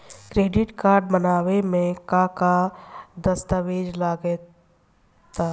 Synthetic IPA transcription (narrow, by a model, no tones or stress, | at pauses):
kɾeːɖɪʈkaːɾɖ̚bənaːwemẽkakad̪əst̪əʋeːd͡ʒlaɡɛ | t̪aː